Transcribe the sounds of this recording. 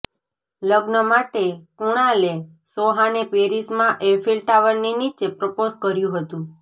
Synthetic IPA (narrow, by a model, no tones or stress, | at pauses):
ləɡnəmaʈekuɽ̃ale | soɦãnepeɾismãʔefʰilʈaʋəɾninit͡ʃepɾəpozkəɾjũɦət̪ũ